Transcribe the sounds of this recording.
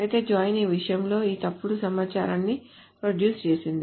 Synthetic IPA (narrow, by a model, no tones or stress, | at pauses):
ɐjt̪e̞ːd͡ʒaːjniːʋiʂɐjɐmlo̞ːiːt̪ɐpːuɽusɐmaːt͡ʃaːɾanːi | pɾoɖjuːst͡ʃe̞ːsind̪i